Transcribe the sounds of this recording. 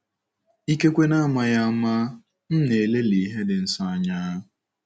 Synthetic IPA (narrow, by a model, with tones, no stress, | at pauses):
i˦ke˦kʷe˦na˦a˦˨ma˦ja˦a˦ma˦ | n̩˦ne˨le˦li˨˦ɦe˦dɪ˨n̩˨sa˦a˦ɲa˦